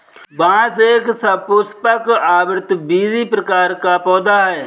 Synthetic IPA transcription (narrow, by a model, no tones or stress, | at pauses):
bãːseːksəbpʊspəkaːbɾɪt̪biːzipɾəkaːɾkapɔːd̪aɦɛː